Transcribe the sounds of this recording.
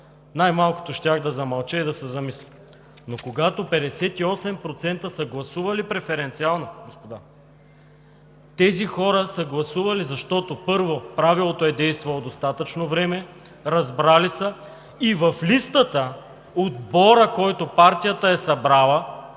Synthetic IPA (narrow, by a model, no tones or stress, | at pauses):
najmalˠko̥t̪oʃt̪ʲaxd̪ɐzɐmɐlˠt͡ʃɛid̪ɐsɛzɐmisli | nokoɡat̪opɛd̪ɛsɛt̪iɔsɛmpɾot̪sɛnt̪əsəɡlˠɐsuvɐlipɾɛfɛɾɛnt̪sialˠnoɡospod̪a | t̪ɛzixɔɾəsəɡlˠɐsuvɐlizɐʃt̪ɔt̪opɤɾvopɾavilˠot̪oɛd̪ɛjst̪vɐlˠod̪ost̪at̪ət͡ʃnovɾɛmɛ | ɾɐzbɾalisə | ivɐflist̪ət̪ə | od̪bɔɾəkɔjt̪opaɾt̪ijət̪əɛsɐbɾalˠə